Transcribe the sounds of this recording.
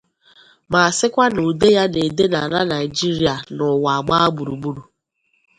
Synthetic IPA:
ma˨a˨sɪ˦kʷa˦no˨de˦ja˦ne˨de˦na˨ɾa˦na˨ɪ˨d͡ʒi˦ɾi˦a˨nʊ˨wa˨a˨ɡ͡ba˦a˦ɡ͡bu˨ɾu˨ɡ͡bu˦ɾu˨

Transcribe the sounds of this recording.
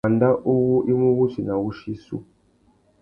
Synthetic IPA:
a˨nda˦ʔu˦wu˦ʔi˦mu˦βu˦t͡ʃi˨na˨wu˦ʃi˦sṵ˦

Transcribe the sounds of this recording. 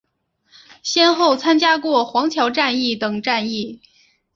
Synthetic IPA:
ɕjɛ˥nxo˥˩ʊt͡sʰa˥nt͡ɕja˥kwɔ˥˩xwɑ˧˥ŋt͡ɕʰjɑ˧˥ʊʈ͡ʂa˥˧ni˥˩t̪ɤ˨˩ŋʈ͡ʂa˥˧ni˥˩

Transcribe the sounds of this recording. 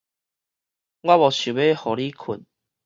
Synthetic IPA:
ɡwa˦βɔ˨˩ɕu˨˩be˦hɔ˨li˦kʰu˨˩n

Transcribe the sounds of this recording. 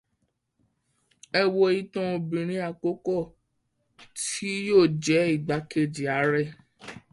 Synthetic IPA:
ɛ˧wo˧i˦tɔ̃˦o˧bĩ˨ɾ̃ĩ˨˦a˧˨ko˦kɔ˦˨ | ti˦joː˦˨d͡ʒɛ˨˦i˦˨ɡ͡ba˨˦ke˦˨d͡ʒi˨a˨˦ɾɛ˦˨

